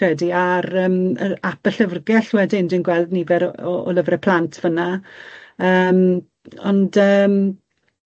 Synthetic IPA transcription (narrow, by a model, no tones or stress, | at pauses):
ɛdiaɾəːməabəɬəvrɡɛɬwɛdɪndinɡwɛlˠdnivɛɾɔɔ̰ləvrɛpʰl̥ˠantʰv̥əna | əːm | ɔndəːm